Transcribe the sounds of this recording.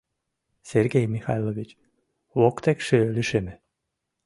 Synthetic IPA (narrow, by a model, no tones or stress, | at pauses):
seɾɡejmixajlˠoʋit͡ɕ | ʋokt̪ɛkʃeliʃemɛ